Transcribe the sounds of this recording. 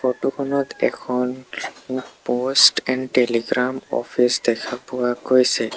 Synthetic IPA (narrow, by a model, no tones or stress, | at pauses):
fotukʰɔnɔt̪ɛkʰɔn | posʈɛnɖʈeliɡɹamɔ̰pʰisd̪ɛkʰapʊwakojsɛ